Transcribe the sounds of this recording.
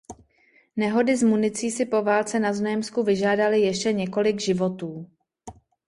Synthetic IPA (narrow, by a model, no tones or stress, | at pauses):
nɛɦo̞dɪzmunɪt͡siːsɪpo̞vaːlt͡sɛnaznojɛmskuvɪʒaːdalɪjɛʃcɛɲɛko̞lɪɡʒɪvo̞t̪uː